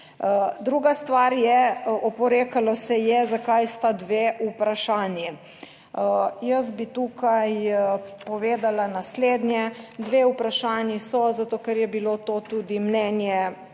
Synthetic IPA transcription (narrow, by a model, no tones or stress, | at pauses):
d̪ɾuːɡast̪ʋaɾjɛɔpɔɾeːkalɔsɛjɛzakajst̪ad̪ʋeːupɾaʃaːnji | jəsbit̪uːkajpɔʋeːd̪alanasleːd̪njɛd̪ʋeːupɾaʃaːnisɔzat̪oːkɛɾjɛbilot̪ot̪uːd̪imnɛnjɛ